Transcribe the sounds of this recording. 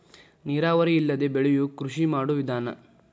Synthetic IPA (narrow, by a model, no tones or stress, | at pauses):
niːɾaːʋɐɾiilːɐd̪e̞beɭijukɾuʂimaːɽuʋid̪ʱaːnɐ̰